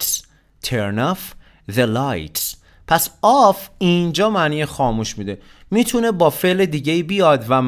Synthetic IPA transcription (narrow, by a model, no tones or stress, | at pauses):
s | t̪ʰeɾnɒːf | ðelajt̪s | pʰæsɒːfind͡ʒɒːmæːniːjexɒːmuːʃmiːd̪e̞ | miːt̪ʰune̞bɒːfe̞led̪iːɟeiːbijɒːd̪væm